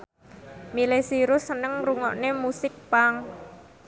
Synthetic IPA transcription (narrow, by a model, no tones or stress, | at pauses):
milesiɾʊsːənəŋruŋɔ̰ʔnemusɪk̚paŋ